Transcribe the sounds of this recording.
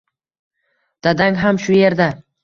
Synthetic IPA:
d̪̥ad̪aŋɦamʃʊje̞ɾd̪a

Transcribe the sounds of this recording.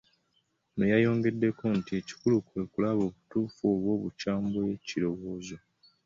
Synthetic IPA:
mujajo̞ːŋɡe̞dːe̞ko̞ntie̞ci̥kulukwe̞kulaβo̞ːβutuːfoːβwo̞ːβut͡ʃaːmboecilo̞βo̞ːzo̞

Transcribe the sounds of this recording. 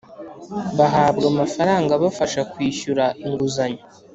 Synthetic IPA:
βaɦaːbɡamafaɾaːŋɡaβafaʃakwiːçuɾaʔiŋɡuzaɲo

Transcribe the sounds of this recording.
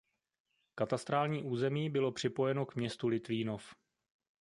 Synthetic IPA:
kat̪ast̪ɾaːlɲiːʔuːzɛmiːbɪlo̞pr̝̥ɪpo̞jɛno̞kmɲɛst̪ulɪt̪viːno̞f

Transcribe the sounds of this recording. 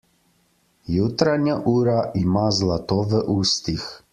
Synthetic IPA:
jut̪ɾaɲjaʔuːɾaʔimaːzlat̪oːʋɛʔuːst̪ix

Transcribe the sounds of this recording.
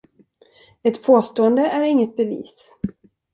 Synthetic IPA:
ɛt̪pʰoːst̪oːənd̪əʔæɾɪŋːət̪̚bɛvḭːs

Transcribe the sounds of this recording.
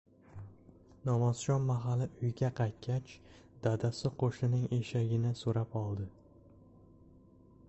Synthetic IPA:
nɒmɒzʃɒnmaɦalɪʔʊjɡʲaqʰɑjt̪̚kʲat͡ʃ | d̪ad̪asɪqʰoʃɪnɪŋeʃaɡʲɪnɪsoɾapɒlˠd̪ɪ

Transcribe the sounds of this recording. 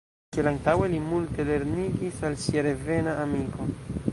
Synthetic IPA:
kielantawe̞limulte̞le̞ɾniɡisalsiaɾeve̞naʔːmikʰo̞

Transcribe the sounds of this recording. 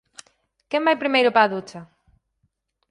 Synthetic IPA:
kɛmajpɾimejɾʊpaːðut͡ʃɐ

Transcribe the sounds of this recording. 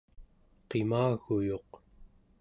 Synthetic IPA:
qemaːɣujo̞q

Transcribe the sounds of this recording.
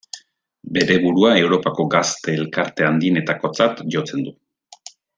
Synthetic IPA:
be̞ɾe̞βuɾuae̞wɾo̞pako̞ɡast̪e̞ːlkaɾt̪e̞and̪iene̞t̪ako̞t͡sat̪ʝo̞t͡se̞nd̪u

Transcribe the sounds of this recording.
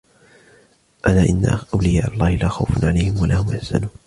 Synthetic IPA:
ʔanaːʔɪnːa̰ʔawlɪjaːʔalˤːɑːhɪlaːxawfanʕalajhɪmwalʔaːhʊmʔɪħsa̰nuːn

